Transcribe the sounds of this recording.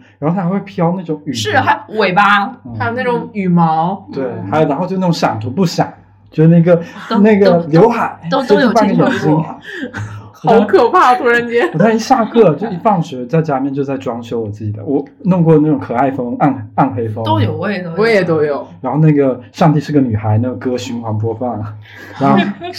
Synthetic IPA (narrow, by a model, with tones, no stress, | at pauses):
ɻa˧˥xo˥˩˥xwe˥˩pʰjɑ˥ʊna˥˩ʈ͡ʂʊ˨˩˦ŋy˨ʂɻ̩˥˩xa˧˥ɪwe˨˩ɪba˦˥˩xa˥jna˥˩ʊ˨˩ŋy˨˩mɑ˧˥ʊt̪we˥˩ɪxa˧˥ɪjxt͡ɕo˥˧n˥˩ʊ˧˥ɕjɑ̰˨˩ŋt̪ʰu˧˥pu˥˩ɕjɑ̰˨˩˦ŋ | t͡ɕjo˥˧ʂ̩˥˧na˥˩ɡə˧˩na˥˩ɡə˩ljo˧˥ʊxa˨˩˦ɪo˥˧ja˥˩nkɡə˥jɛ˨˧˩nɕi˥ŋ˧˩ | wɔ˩t̪ʰʊ˥kʰɤ˨˩pʰa˥˩t̪ʰu˧˥ɻə˧˥nt͡ɕjɛ˥˨˩t̪ʰa˥i˥ɕja˥˧kʰɤ˥˩t͡ɕjo˥˧ʊi˥˩fɑ˥˩ŋɕɥɛ˧˥t͡sa˥˩ɪt͡ɕja˥mjɛ˥˧nt͡ɕjo˥˧ʊt͡sa˥˩ɪʈ͡ʂwɑ˥ŋɕjo˥ʊwɔ˨˩t͡sɹ̩˥˩t͡ɕi˨˩d̪ə̰˦wɔ˧˥nʊ˥˧ŋkwɔ˥˩˧na˥˩ʈ͡ʂʊ˨˩ŋkʰɤ˨˩a˥˩ɪfɤ˥ŋa˥˩na˥˩nxe˧˥ɪfo˧˥ŋo˥ʊjo˨˩˥wɔ˧˥jɛ˨˩t̪o˥ʊjo˨˩˦ɻa˧˥nxʊna˥˩ɡə˩ʂɑ˥˧ŋt̪i˥˧ʂɻ̩˥˧˥ɡə˩ny˨˩xa˧˥ɪna˥˩ɡə˧˩kɤ˥ɕy˧˥nxʰwɑ˧˥ŋp̬wɔ˥fɑ˥˩ŋ˩ | a˧˥nx